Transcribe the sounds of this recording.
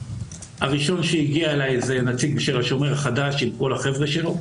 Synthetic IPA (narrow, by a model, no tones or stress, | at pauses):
ha̰ʁiʃo̞nʃeiɡiaelajze̞nat͡siɡ̚biʃelaʃo̞meʁaχadaʃimko̞laχe̞vʁeʃe̞lo̞